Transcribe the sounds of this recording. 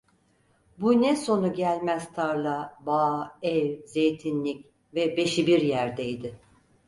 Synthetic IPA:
bunɛso̞nuɟælʲmæst̪ʰaɾlˠabaːɛvze̞jt̪ʰinlʲic | vɛbe̞ʃibiɾjæɾd̪ejd̪ɪ

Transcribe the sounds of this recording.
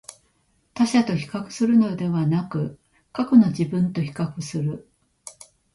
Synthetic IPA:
t̪aɕat̪o̞çi̥kakɯ̟̥sɨɾɯ̟no̞d̪e̞βanakɯ̟ | kakɯno̞d͡ʑibɯ̟̃nt̪o̞çi̥kakɯ̟sɨɾɯ̟

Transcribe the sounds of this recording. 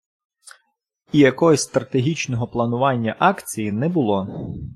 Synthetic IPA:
ijɐkɔjɔsʲst̪ɾɐt̪eɦʲit͡ʃnɔɦɔplˠɐnʊʋɑnʲːɐʔɑkt͡sʲijinɛbʊlˠɔ

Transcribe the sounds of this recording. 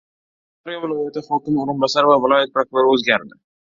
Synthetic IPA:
aɾjavɪlˠjat̪ɪhɒkʲɪmoɾɨnbɑsaɾvavɪlɒjat̪̚pɾokʊɾoɾɵzɡʲaɾd̪ɪ

